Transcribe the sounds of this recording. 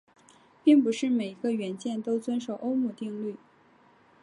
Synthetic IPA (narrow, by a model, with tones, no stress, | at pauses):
pi˥˩ŋpu˧˥ʂɻ̩˥˩me˨˩ɪi˧˥ɡə˧ɥɛ˧˥nt͡ɕjɛ˥˩nt̪o˥ʊt͡swə˥nʂo˨˩ʊʔo˥ʊmu˥˧t̪i˥˧ŋly˥˩